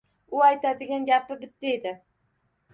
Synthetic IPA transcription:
ʊajt̪ʰad̪ɪɡʲanɡʲapɪbɪt̪ːɪed̪ɪ

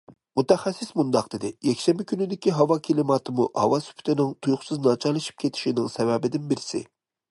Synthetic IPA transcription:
mut̪ʰɛχæsːɪsmund̪ɑq̚d̪̥ɪd̪ɪjɛkʲʃɛmɪkʲʰynɪd̪ɪkʲiɦɑvɑkʲʰelɪmɑt̪ʰɨmuʔhɑ̰vɑsy̥pʰy̥t̪ʰɪnɪŋt̪ʰujʊχʊsɨznɑt͡ʃʰɑlˠɨʃi̥p̚kʲʰet̪ʰɪ̥ʃinɪŋsɛvɛbɪd̪ɪnbɪɾɪsɪ̰

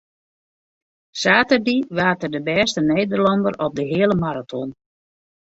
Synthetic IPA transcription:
saːtərdiʋaːtərdəbɛːstəneːdərlɑndəɾɔp̚dəɦɪələmaɾatʰɔn

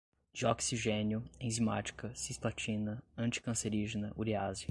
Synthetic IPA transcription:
d͡ʒiɔksiʒẽnjʊẽzima̰t͡ʃi̥kɐsisplat͡ʃĩnɐɐ̃t͡ʃi̥kɐ̃seɾiʒinɐʔuɾiaziɐ

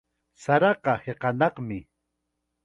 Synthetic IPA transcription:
saɾɑqɑheqɑnɑqmɪ

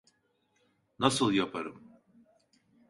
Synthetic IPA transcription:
nasɯlˠjapʰaɾɯm

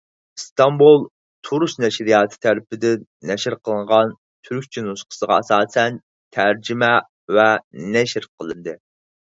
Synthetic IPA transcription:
st̪ʰɑmbulˠ | t̪ʰuɾusnɛʃɾijɑːt̪ʰɨ̥t̪ʰæɾɪpɪd̪ɪnɛʃɾqʰəlˠɨɴʁɑn | t̪ʰyɾkʲt͡ʃʰinusqʰə̥səʁɑɛsɑːsɛn | t̪ʰæɾd͡ʒimɛ | vɛnɛʃɾqʰəlˠɨnd̪ɨ

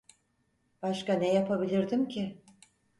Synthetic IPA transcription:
b̥aʃkanɛjapʰabilʲiɾd̪imcʰɪ

